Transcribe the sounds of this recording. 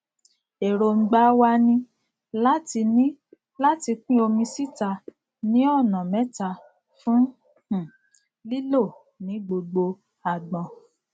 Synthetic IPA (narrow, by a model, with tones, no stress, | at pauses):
e˨ɾo˨ŋ͡m̩˨ɡ͡ba˨˦wa˧nĩ˧ | la˦ti˧nĩ˦ | la˦ti˧k͡pĩ˦o˧mĩ˧si˦˨ta˧ | nĩ˦ɔ˦˨nã˨mɛ̃˨˦ta˧ | fũ˦ | hũ˦˨ | li˦lo˦˨ | nĩ˨˦ɡ͡bo˧ɡ͡bo˧ | a˨ɡ͡bɔ̃˨